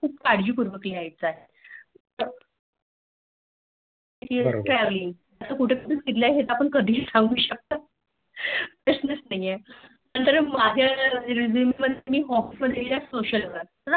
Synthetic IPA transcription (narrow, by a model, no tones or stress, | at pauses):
kʰuːp̚kaɽ̤d͡ʑiːpuɾʋəkliajt͡saɦet̪ | et̪iʈɾɛʋliŋɡ | at̪akuʈʰepəsunkit̪̬ljaɦet̪apəɳkəd̪ʱiːlsãŋɡuːɕək̚t̪a | bisnəsnaie | anit̪əɾmad͡ʑʱjad͡zimeməd̪ʱemiːɦɔfisməd̪ʱːeilasoɕəlʋə | əɾ